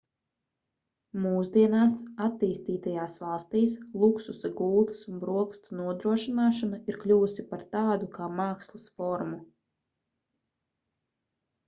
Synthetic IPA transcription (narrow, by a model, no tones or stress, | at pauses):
muːzd̪iɛnaːsat̪ːiːst̪iːt̪ajaːsvɑlˠst̪iːslˠuksusɡuːlɨ̥sunbɾuɔkst̪unuɔd̪ɾuɔʃinaːʃanuiɾklʲuːusipaɾt̪aːd̪ukaːmaːkslˠɨsfɔɾmu